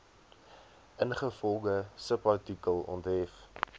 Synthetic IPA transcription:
ʔənχəfɔlˠɡəsəpɐtikəlˠɔ̰ntɦɛf

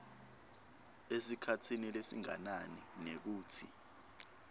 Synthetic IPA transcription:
esikʰatʰinilesḭŋa̰naninek̬uːtʰi

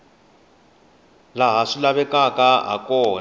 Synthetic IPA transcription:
laɦaʂilaβɛkakaɦa̰kɔːn

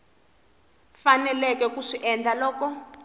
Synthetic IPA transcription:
fanɛlɛkɛkuʂiʔɛndʱalɔːkɔ

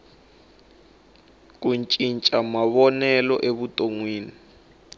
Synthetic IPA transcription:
k̬ʼunt͡ʃʼint͡ʃʼamaβɔnɛlɔ̰ʔeβutʼoŋwiːni

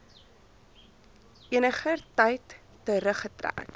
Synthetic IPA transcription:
ʔiənəχərtɐjtː | əɾəχətræ̰ːk

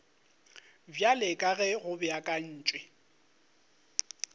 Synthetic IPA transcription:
bjalɪkʼaɣɛɣʊbɪakʼan̩ːt͡ʃʼwɛ

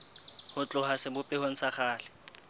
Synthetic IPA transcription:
hʊt͡ɬʼʊɦasɪbʊpʼɪhon̩saχaːlɪ

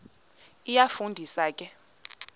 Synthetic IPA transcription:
ijafundʱisaːkʼɛ

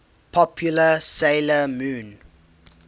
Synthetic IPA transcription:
pʰɔpʰjuləseɪləmũːn

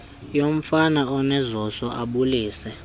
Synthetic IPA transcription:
jom̩fanaɔnɛzɔsɔʔaɓuliːsɛ

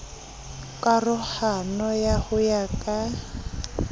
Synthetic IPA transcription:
kʼarʊhanɔjahʊjakʼa

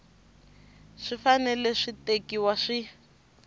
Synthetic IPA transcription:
ʂifanɛlɛʂitekiwaʂi

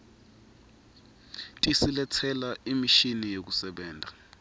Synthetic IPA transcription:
tʼisilɛt͡sʰɛlaimiʃinijek̬usɛɓɛːndʱa

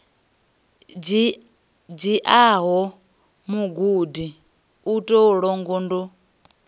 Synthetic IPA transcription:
d͡ʒiʔaɦɔ | muɡudi | utʼoɺɔŋɡɔndɔ

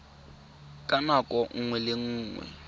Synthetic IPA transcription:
kʼanakʼɔŋ̩ŋwɛlɪŋ̩ːŋwɛ̰

